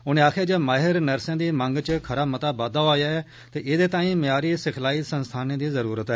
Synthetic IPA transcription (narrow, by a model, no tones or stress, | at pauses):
ʊnẽːaːkʰeːd͡ʒemaːɦɪɾnəɾsãːd̪iːməŋɡt͡ʃəkʰəɾaːmət̪aːbaːd̪aːaːjaːɛː | t̪eːʔɪd̪eːt̪ãːĩːmɪjaːɾiːsɪkʰlaːiːsənst̪ʰaːnẽːd̪iːzəɾuːɾət̪ɛː